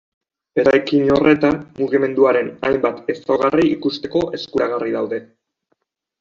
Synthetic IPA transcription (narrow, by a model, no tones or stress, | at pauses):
be̞ɾajkino̞re̞t̪anmuɣ̞ime̞nd̪uaɾe̞najmbat̪e̞soɣ̞ariikust̪e̞ko̞ʔe̞skuɾaɣ̞ariðawðe̞